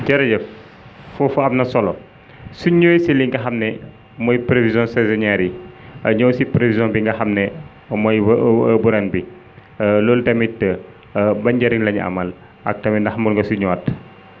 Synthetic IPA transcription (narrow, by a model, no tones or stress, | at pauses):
cɛɾɐɟɐ | fufuɐmnɐsɔlɔ | suɲoːjsiliŋɡɐxɐmnɛ | mɔjpɾevizɔ̃nsɛzɔɲaɾiɐɲɔwsipɾevizɔ̃nbiŋɡɐxɐmnɛ | mɔjbuɾɐnbi | lɔltɐmitːə | bɐɲɟɐɾiŋlɐɲɐ̰mɐl | ɐk̚tɐmindɐxmulŋɡɐsuɲɔːt